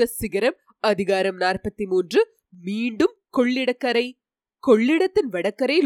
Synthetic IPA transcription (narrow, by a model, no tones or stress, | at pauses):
ɐsɪɣɐɾɐm | ɐðɪɣaːɾɐmnaːrpɐt̪ːimuːndrɯ | miːɳɖɯmkɔɭːɪɽɐkːɐɾɐɪ | kɔɭːɪɽɐt̪ːɪnʋɐɽɐkːɐɾɐɪl